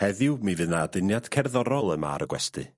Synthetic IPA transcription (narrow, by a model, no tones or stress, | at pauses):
hɛðɪwmivɨnaːdɨnjad̥kʰɛrðɔɾɔlˠəma̰ɾəɡwɛstɨ̰